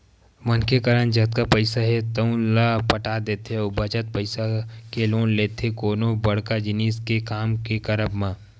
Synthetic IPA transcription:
mənkekəɾənd͡ʒɐt̪̚kapəɪsaɦɛt̪əũlapəʈaːd̪eːt̪ɦeɔbɐt͡ʃət̪̚pəɪsakeloːnleːt̪ɦekoːnobɐɽkad͡ʒɪniːskekaːmkekɐɾəbmãː

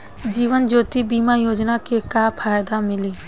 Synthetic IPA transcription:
d͡ʒiːʋənd͡ʒoːt̪ibiːmajoːd͡ʒnakekapʰaːjd̪amɪliː

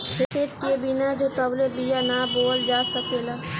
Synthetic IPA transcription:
eket̪̚kebɪnad͡ʒoːt̪ɐblebijanaboːld͡ʒaːsəkeːlaː

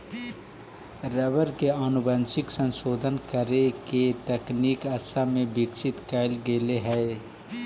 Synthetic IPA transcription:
ɾɛʋəɾkeaːnʊbansɪksə̃nʃoːd̪ʱənkəɾeket̪ɛkniːkɐsamẽbɪkʃɪt̪kɛːlɡeːleɦɛː

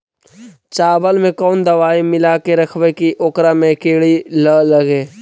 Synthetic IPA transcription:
t͡ʃaːbəlmẽkɔːnd̪ɐʋaːimɪlaːkeɾɐkʰʋekiʔoːkɾamẽkeːɽiləlɐɡeː

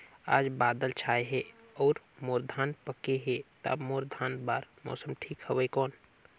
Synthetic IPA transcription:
a̰ːd͡ʒbaːd̪əlt͡ʃʰaːeɦɛɔːɾ | moːɾd̪ʱaːnpəkeɦet̪a̰bmoːɾd̪ʱaːnbaːɾmɔ̰ːsəmʈʰiːkɦɛʋəikɔːn

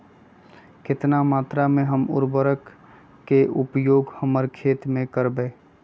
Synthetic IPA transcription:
kɪt̪namaːt̪ɾamẽɦəmʊ̰ɾbəɾəkː | eʔʊpjoːɡhəməɾkʰeːt̪mẽkəɾbeː

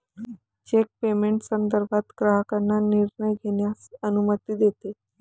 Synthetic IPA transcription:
t͡ɕek̚pemeɳʈsənd̪əɾbʱat̪ɡɾaɦəkanːaniɾɳəjɡʱeɳjasənumət̪id̪et̪e

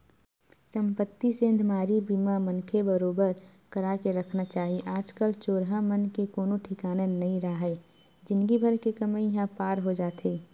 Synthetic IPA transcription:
sə̃mpət̪ːisẽnd̪ʱmaːɾibimamənkʰebəɾoːbəɾ | kəɾakeɾəkʰnat͡ʃaːɦiʔaːd͡ʒkəlt͡ʃoːɾɦãmənkekoːnõʈʰɪkaːnenɐɦĩɾaɦɛ | d͡ʒɪnɡibʱəɾkekəməjɐɦãpaːɾɦod͡ʒaːt̪ʰeː

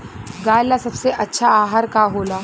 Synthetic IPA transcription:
ɡaːjlasɐbseʔɐtːʃʰaaːɦaɾkaɦoːlaː

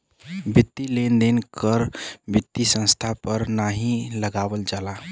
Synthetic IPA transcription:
bit̪ːilend̪enkʰəɾbit̪ːisə̃ñst̪ʰapəɾnaɦiləɡaʋəld͡ʒala

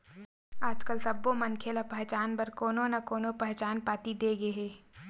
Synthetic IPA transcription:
aːd͡ʒkəlsɐbːomɐnkʰelapɛɦt͡ʃaːnpɐɾkoːnõnɐkoːnopɛɦt͡ʃaːnpaːt̪id̪eːɡeɦeː

